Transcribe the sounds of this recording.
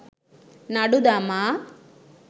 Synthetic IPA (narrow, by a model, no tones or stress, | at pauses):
nɐɽud̪ama